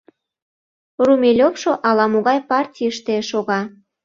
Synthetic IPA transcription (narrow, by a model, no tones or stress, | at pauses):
rumʲelʲopʃoʔɑlɑmoɣɑjpɑrtʲijəʃt̪eʃoɣɑ